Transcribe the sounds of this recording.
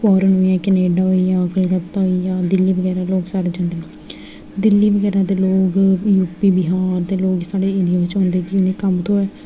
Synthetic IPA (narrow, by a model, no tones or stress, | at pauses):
fɔːɾənɦoːijãːkəneːɖaːɦoijãːkəlɡət̪ːaɦoiãːd̪ɪlːiːʋəɡɛːɾãːloːɡsaːɽeːd͡ʒãːnd̪eːnẽ | d̪ɪlːiːʋəɡɛːɾãːd̪eːloːɡjuːpiːbɪɦaːɾt̪eːloːɡsaːɖeːɪɖɪjaːʋɪt͡ʃõːnd̪eːkɪʊniːkəmt̪ʰõːɛː